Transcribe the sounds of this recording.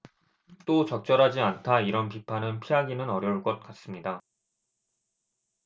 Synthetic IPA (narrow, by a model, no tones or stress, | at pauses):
t͈ot͡ɕʌk̚t͡ɕ͈ʌɾɦad͡ʑiantʰaiɾʌnpipʰanɯnpʰiɦaɡinɯnʌɾjʌuɭk͈ʌt̚k͈as͈ɯmɲida